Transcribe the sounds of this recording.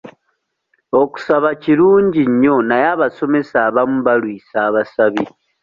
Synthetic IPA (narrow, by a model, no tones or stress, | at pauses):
o̞ku̥saβaciɾuːɲɟiɲːo̞najaβaso̞me̞saːβamuβalwiːsaːβasaβi